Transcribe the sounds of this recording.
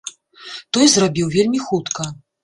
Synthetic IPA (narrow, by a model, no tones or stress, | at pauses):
t̪ɔjzrabʲiwvʲelʲmʲixut̪kɐ